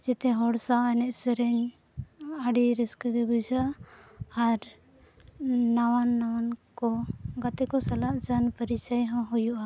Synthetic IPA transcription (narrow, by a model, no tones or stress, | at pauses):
d͡ʒɛt̪ɛɦɔɽsaɛnɛʔsɛɾɛɲ | aɖiɾiskɡɛbud͡ʒaaː | ɾ | nawanːawankɔɡat̪ɛkɔsalaʔd͡ʒanpəɾit͡ʃəjɦɔ̃ɦujuʔa